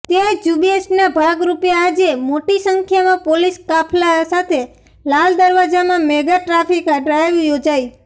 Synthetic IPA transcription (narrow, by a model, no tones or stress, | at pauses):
t̪ed͡ʒubiesʈnabʱaɡɾupjaad͡ʒemoʈisəŋkʰjamãpoliskapʰlasat̪ʰe | lald̪əɾʋad͡ʒamãmeɡaʈɾafikəɖɾajʋjod͡ʒai